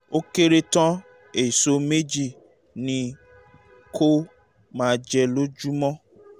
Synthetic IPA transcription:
o˦ke˦ɾe˧tɔ̃˦ | e˨i˨so˧me˦d͡ʒi˦˨ | nĩ˧ | kʰo˦ | mãː˨˦˧d͡ʒɛ˧lo˦d͡ʒu˦mɔ̃˦

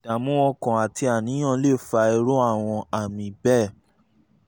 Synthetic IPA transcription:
da˨mũ˦ɔ˧kã˨a˨ti˧a˨nĩ˨˦j̃ã˦˨˦le˦˨fa˧ɛ˧ɾo˦a˦˨w̃ɔ̃˧a˨mĩ˨bɛ˦˨

